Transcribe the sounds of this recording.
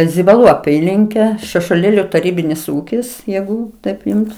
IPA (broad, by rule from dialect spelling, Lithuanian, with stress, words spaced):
zʲɪbɐˈlˠuː ɐˈpʲiːlʲɪŋʲkʲɛ ʃʲɛʃuɔˈlʲeːlʲʊ tɐˈrʲiːbʲɪnʲɪs ˈuːkʲɪs ˈjɛɪɡʊ ˈtɐɪp ˈjʊms